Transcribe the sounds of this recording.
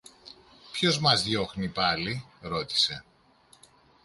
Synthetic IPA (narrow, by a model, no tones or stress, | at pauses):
pço̞zmɐzðjo̞xnipɐliɾo̞t̪i̥se̞